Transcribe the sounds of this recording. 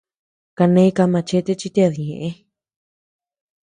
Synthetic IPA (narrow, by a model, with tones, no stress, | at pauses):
ka˧nẽ˧i˦˧ka˧mã˧t͡ʃe˦t̪e˦t͡ʃi˦t̪e˦˧a˧ði˨ɲẽ˨ʔẽ˦